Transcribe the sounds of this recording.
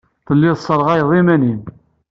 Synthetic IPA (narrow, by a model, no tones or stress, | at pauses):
θəlːɪðsˤːəɾˤʁæjðˤimænin